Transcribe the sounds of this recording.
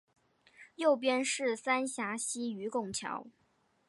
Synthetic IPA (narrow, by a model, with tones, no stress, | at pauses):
jo˥˩ʊp̬jɛ˥nʂɻ̩˥˩sa˥nɕja˧˥ɕi˥y˧˥kʊ˥˩ŋt͡ɕʰjɑ̰˧˥ʊ